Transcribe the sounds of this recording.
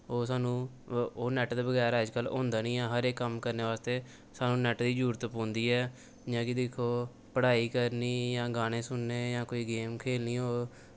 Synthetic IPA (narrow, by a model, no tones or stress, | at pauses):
oːs̬aːnũː | oːnɛːʈd̪aːbəɡɛːɾəd͡ʒkəlõːnd̪aːnĩːãːɦəɾeːkːəmkəɾneːʋaːst̪eː | saːnũːnɛːʈd̪iːd͡ʒuːɾət̪põːnd̪iːɛː | d͡ʒãːkɪd̪ɪkʰːoː | pəɽaːiːkəɾniːjãːɡaːɽ̃ẽːsʊnːeːjãːkoːiːɡeːmkʰeːlniːoː